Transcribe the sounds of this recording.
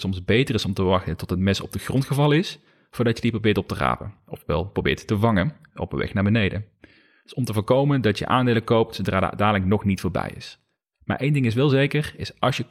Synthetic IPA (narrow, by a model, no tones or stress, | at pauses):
sɔmzbejtərɪsɔmtəʋɑxtətɔtɦətmɛsɔ̰b̚dəχrɔntxəvɑlˠɪs | fʊːɹdɑtjədiprowbɪːɹtɔp̚təra̰ːpə̰ɔfʋɛ̰lˠprowbɪ̰ːɹtːəvɑŋən | o̰wpəʋɛ̰xnaːɹbənejdə | dsɔmtəvʊːɹkowməndɑtjə̰ʔaːndejləkowp̚tsowdraːdə̰a̰daːələŋnɔxnitfʊːɹbɛ̰jɪ̰s | ma̰ːɹʔejndɪŋɪs̬ʋɛlˠzejkərɪsʔɑlˠsjə